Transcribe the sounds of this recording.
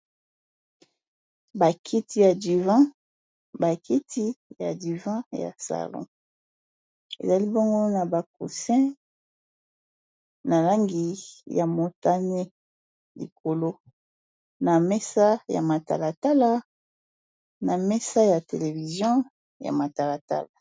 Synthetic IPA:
ba˨kʰi˦ti˦ja˨di˨vã˦ | ba˨ki˦tʰi˦ja˨di˨vã˦ja̰˨sa̰˨lɔ̰̃˦ | ḛ˨za˨li˦bo˦ŋɡo˦na˨ba˨kṵ˨sɛ̃˦ | na˨la˦ŋɡi˨ja˨mo˨ta˦ne˦ | lḭ˨ko˨lo˦ | na˨mɛ˦sa˦ja̰˨ma˨ta̰˨la˨ta˦la˦ | na˨mɛ˦sa˦ja˨te˨le˨vi˨zjɔ̃˦ | ja̰˨ma˨ta˨la˨ta̰˦la˨

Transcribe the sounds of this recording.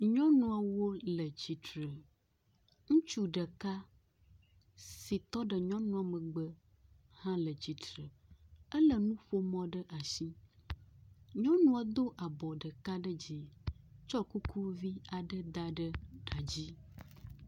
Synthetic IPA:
ɲɔ̃˦nũ˨a˨wo˦lə˨d͡ʑi˨t̪ɾə˨ | ŋũ˦t͡ʃu˦ɖə˨ka˦ | si˨t̪ɔ˦ɖə˨ɲɔ̃˦nũ˦a˨mə˨ɡ͡bə˦ | hã˦lə˨d͡ʑi˨t̪ɾə˨ə˦lə˨nũ˦ɸo˦mɔ̃˦ɖə˦ʔa˨ʃi˦ | ɲɔ̃˦nũ˦a˨d̪o˦ʔa˨bɔ˨ɖə˨ka˦ɖə˦d͡ʑi˨t͡ʃɔ˦ku˦kʰu˦vi˦a˨ɖə˦d̪a˦ɖə˦ɖa˨d͡ʑi˦

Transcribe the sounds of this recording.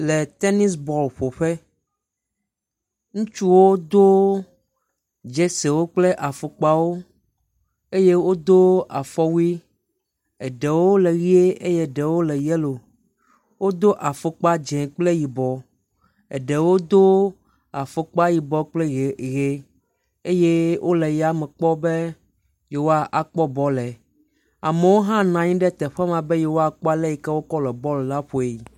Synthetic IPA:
le˨t̪e˦ni˦sbɔ˨lɸo˨ɸe˦ | ŋũ˦t͡ʃu˦wo˦d̪o˦ | d͡ʒe˦se˨wo˦k͡ple˦ʔa˨fo˨k͡pa˦wo˦ | e˦je˦wo˦d̪o˦a˨fɔ˦wi˦ | e˨ɖe˨wo˦le˨ɣi˦e˦ʔe˦je˦ɖe˨wo˦le˨je˦lo˨ | wo˦d̪o˦ʔa˨fo˦k͡pa˦d͡ʒɛ̃˨k͡ple˦ji˨bɔ˨ | ɛ̰˨ɖɛ˨wo˦d̪o˦ | a˨fo˨k͡pa˦ji˨bɔ˦k͡ple˦˨ɣe˦ | e˦je˦wʔo˦le˨ja˨mɛ˨k͡pɔ˦be˦ | je˨wo˦a˦ʔa˨k͡pɔ˦bɔ˦lɛ˨ | a˨me˨wo˦ɦã˦nã˨ɲĩ˦ɖɛ˦t̪ɛ˨ɸɛ˦mã˨be˦je˨wo˦a˨k͡pɔ˦a˦lɛ˦ji˨kɛ˦wo˦kɔ˦lɛ˨bɔ˦le˨la˦ɸo˨e˨i˨

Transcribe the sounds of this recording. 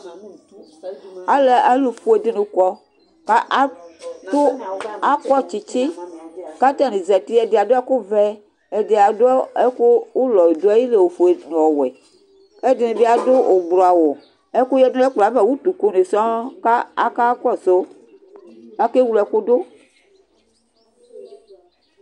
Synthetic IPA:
a˦le˨a˦lu˨fu˨e˨de˦nũ˨kɔ˦ | ka˦ʔa˦t̪o˦a˦kɔ˦t͡ʃi˨t͡ʃi˦ka˦t̪ɛ˦nĩ˨zɛ˨t̪i˦ɛ˨de˨a˨do˦a˦ko˦vɛ˦ | e˨de˨a˨do˦e˦ku˦wu˦lɔ˨e˨d̪o˦a˦ji˦le˨wo˨fu˨e˨nũ˨ɔ˨wɛ˨ | ke˦de˨nũ˨bi˦a˨do˦o˨ɡ͡blɔ˨a˨wo˨ | e˦ku˦jɛ˦dũ˦ɛ˦k͡pla˨˦vɛ˨wu˦t̪u˨ku˦ne˨sɔ̃˦ka˦a˦ka˦kɔ˦so˦ | a˦ke˦wu˦lɛ˨˦ku˦do˦

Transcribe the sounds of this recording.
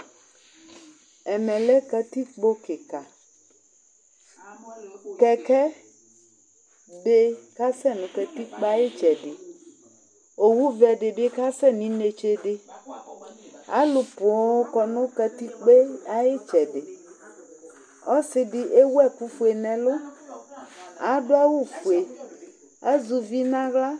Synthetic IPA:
ɛ˨mɛ̃˨le˦kɛ˦t̪i˦k͡po˦ke˨ka˨ | kɛ˦kɛ˦ | be˦ka˦sɛ˦nũ˨kɛ˨t̪i˦k͡pa˦je˦t͡ʃɛ˨ɖe˨ | o˨wu˦vɛ˨ɖe˨be˦ka˦sɛ˦nĩ˨ne˨t͡ʃe˦ɖe˦ | a̰˦lʊ˨põ˨˦o˦kɔ˨nʊ̃˦kɛ˦t̪i˦k͡pe˦a˦je˦t͡ʃɛ˨ɖe˨ | ɔ˦sɪ˨di˨ʔe˦wu˦ɛ˦ku˦fu˨e˨nɛ̃˨lʊ˦ | a˨ɖo˦a˦wu˦fu˨e˨ | a˦zu˨vi˦nã˦ɣla˦

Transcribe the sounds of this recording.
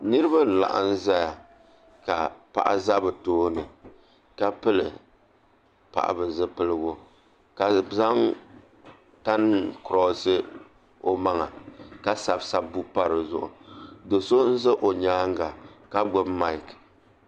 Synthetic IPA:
nɨ˦ɾɨ˦ba˦˨la̰˨ʔa̰˨n̩˦za˦ja˨ | ka˨pa̰˨ʔa̰˨za˦bɨ˨toː˦nɨ˨ | ka˦pɨ˦lɨ˨ | pa̰˨ʔa̰˨bɨ˨zɨ˦pɨ˦lɨ˦ɡo˦ | ka˨za˦ŋ | ta˦n˦kʊ˨ɾɔ˨˦sɨ˦ | o˦ma˦ŋa˨ka˦sa˨bsa˦bu˦pa˦ɾɨ˨zʊ˦˨ʔʊ̰˨do˨so˦n̩˦zɨ˦ʔo˨ɲaː˦ŋ˦ɡa˨ka˦ɡ͡bʊ˦ma˦˨k

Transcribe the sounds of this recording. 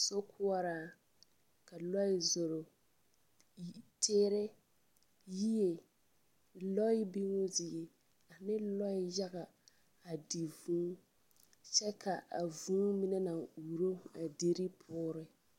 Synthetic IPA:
so˦kʰʊ˦a˦ɾaː˨ | ka˨lɔ˦ɪ˦zo˨ɾo˨ | tʰeː˦ɾe˦ | ji˦e˨ | lɔ˦ɪ˦bi˦ŋo˦dɪ˨e˨ | a˨nɪ˦lɔ˦ɪ˦ja˦ɣa˨ | a˨di˨vũː˨˦ | t͡ʃɛ˦kʰa˨ʔa̰˨vũ˦mi˦na˦na˨ŋuː˨ɾo˦a˨de˦ɾi˦pʰʊː˦ɾɪ˨

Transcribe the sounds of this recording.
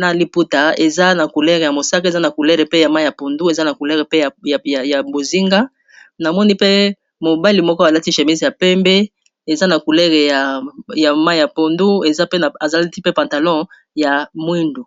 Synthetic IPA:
na˨li˦pu˦ta˨e˨za˦na˨ku˨lɛ˦ʁe˨ja˨mo˨sa˦ka˦e˨za˦na˨ku˨lɛ˦ʁe˨pe˦ja˨ma˦jja˨po˨ndu˦e˨za˦na˨ku˨lɛ˦ʁe˨pe˦ja˨ja˨ja˨bo˨zi˦ŋɡa˦ | na˨mɔ˦ni˦pe˦ | mo˨ba˦li˨mɔ˦kɔ˦a˨la˦ti˦ʃe˨mi˦zja˨pɛ˦mbɛ˦ | e˨za˦na˨ku˨lɛ˦ʁe˨ja˨ja˨ma˦ja˨po˨ndu˦e˨za˦pe˦n˨a˨za˨la˦ti˦pe˦pã˨nta˨lɔ̃˦ | ja˨mwi˦ndu˨

